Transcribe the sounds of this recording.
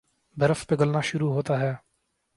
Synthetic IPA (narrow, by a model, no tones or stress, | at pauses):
bʱəɾəfpeɡəlnaːʃʊɾuːɦoːt̪aːɦɛː